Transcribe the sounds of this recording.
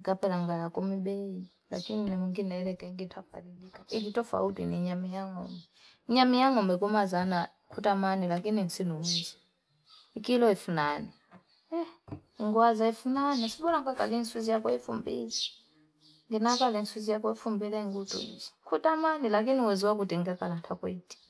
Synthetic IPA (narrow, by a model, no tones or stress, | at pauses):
kapɛlaŋɡajakɔmiɓɛi | la̰kininimuŋɡinɛɾɛkɛiŋɡitʰapa̰lilikaikitɔfa̰utḭniɲamijaŋɔ̰mbɛ | ɲamijaŋɔmbɛkumazana | kʰutamanilakinin̩sinuunzi | ikilɔifunani | ɛiŋɡwazaifunanisiɓɔlaŋɡakʼa̰linsuzijakɔifumbḭlɛ | ŋɡinakʼalinsuzijakɔifumbilɛiŋɡutʼṵḭzḁkʰutʼamanilak̬iniwɛziwak̬utʼiŋɡɛkʼalantʰakweitʼi̥